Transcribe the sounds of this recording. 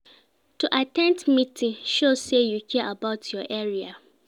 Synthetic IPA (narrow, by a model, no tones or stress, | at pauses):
tuʔatɛ̃ntmitʰĩʃosejukʰiʔabaʊtʰjɔʔɛɹia